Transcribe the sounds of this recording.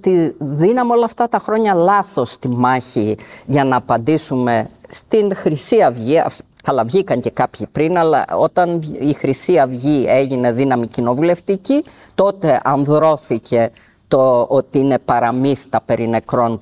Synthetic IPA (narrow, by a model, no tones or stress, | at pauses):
t̪iðinɐmo̞lɐft̪ɐt̪ɐxɾo̞ɲɐlɐθo̞st̪imɐçiʝɐnɐːpɐnd̪isume̞st̪inxɾisiɐvʝiɐ̰ɐlɐvʝikɐɲce̞kɐpçipɾinɐlɐ̰o̞t̪ɐnixɾisiɐvʝie̞ʝine̞ðinɐmicino̞vule̞ft̪ici | t̪o̞t̪e̞ʔɐnðɾo̞θicʰe̞ | t̪oot̪iine̞pɐɾɐmiθit̪ɐpe̞ɾine̞kɾo̞n